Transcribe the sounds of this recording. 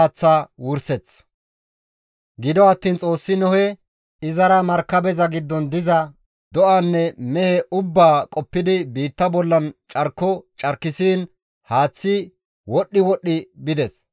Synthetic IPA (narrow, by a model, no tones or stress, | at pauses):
t͡sːaːwʊɾsɛt͡sː | ɡɪd̪ɔɐt̪ːiːnt͡sʼo̞ːsːɪnɔhɛ | ɪzɐɾɐmɐɾkːɐbɛzɐɡɪd̪ːɔnd̪ɪzɐ | d̪ɔʔanːɛmɛhɛʔʊbːaːkʼɔpːɪd̪ɪbiːt̪ːɐbɔlːɐnt͡ʃʼɐɾkːɔt͡ʃʼɐɾkːɪsiːn | haːt͡sːɪ | wɔɗːɪwɔɗːɪbɪd̪ɛs